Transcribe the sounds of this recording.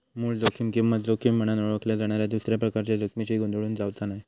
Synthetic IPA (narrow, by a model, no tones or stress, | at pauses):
muːɭd͡zokimkiʋad͡zokim̤ːəɽ̃anoɭʋəkljad͡zaɽ̃aɾjad̪usɾjapɾəkaɾt͡ɕjad͡zokmit͡ɕiɡond̪oɭuːnd͡zaʋtanaj